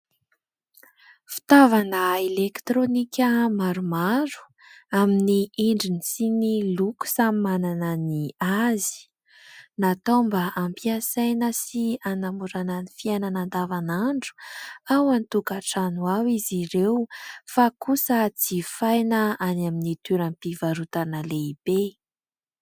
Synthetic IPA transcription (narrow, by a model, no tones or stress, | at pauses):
fi̥t̪avanəelekt̪ɾonikʲəmaɾumaɾu̥ | aminiiɳɖ͡ʐinisiniluku̥samimananəniazi̥ | nat̪ombəʔampiasajnəsianamuɾanənifiananand̪avanaɳɖ͡ʐu̥awant̪ukaʈ͡ʂanuawiziɾewfakusət͡sifajnəanaminit̪uɾampivaɾut̪anəleib̥e